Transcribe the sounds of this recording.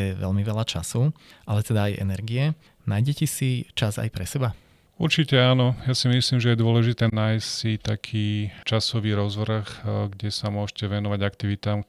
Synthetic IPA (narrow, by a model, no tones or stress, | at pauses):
ɛʋɛ̰ʎmiʋɛlat͡ʃa̰suʔalɛt̪ɛd̪aːjʔɛ̰nɛɾɡiɛ | naːjɟɛcɛsit͡ʃaza̰jpɾɛsɛba | uɾt͡ʃicɛaːnɔjasimisliːmʒɛjɛd̪ʊɔlɛʒit̪ɛːnaːjssit̪akʰiːt͡ʃasɔʋiːɾɔzʋɾxɡɟɛsamʊɔʃcɛʋɛnɔʋaɟakt̪iʋit̪aːm